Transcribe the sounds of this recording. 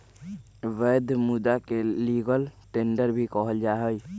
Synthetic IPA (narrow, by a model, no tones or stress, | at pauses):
ʋɛːd̪ʱmʊd̪akeliɡəlʈeːɳɖəɾbʱikɔɦəld͡ʒaɦəj